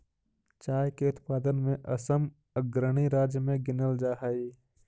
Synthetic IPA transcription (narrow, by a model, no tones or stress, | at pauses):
t͡ʃaːjkeʊt̪paːd̪ənmẽʔɐsəm | əɡɾəɽ̃iɾaːd͡ʒjəmẽɡɪnəld͡ʒaːɦai